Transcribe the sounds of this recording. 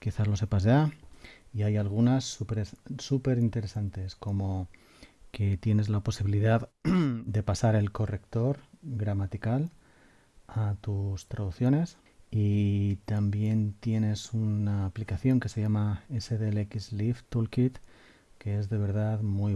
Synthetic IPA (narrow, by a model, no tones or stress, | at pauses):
kiθazlo̞s̬e̞pazʝa | iajalɣ̞unasupeɾssupe̞ɾint̪e̞ɾe̞sant̪e̞sko̞mo̞ | ke̞t̪je̞ne̞zlapo̞siβiliðaðd̪e̞pasaɾe̞lko̞re̞k̚t̪o̞ɾɣɾamat̪ikal | at̪ust̪ɾaðuθjo̞ne̞s | it̪ambje̞nt̪je̞ne̞sunaːplikaθjo̞ŋke̞se̞ʝamaese̞ðelekizlift̪ulkit̪ | kee̞zðe̞βe̞ɾð̞aðmwuj